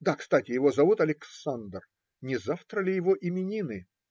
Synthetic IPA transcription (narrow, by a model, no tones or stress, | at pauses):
d̪akst̪atʲɪjɪvo̞zɐvut̪ɐlʲɪksand̪r | nʲɪzaft̪ɾəlʲɪjɪvoʔɪmʲɪnʲinɨ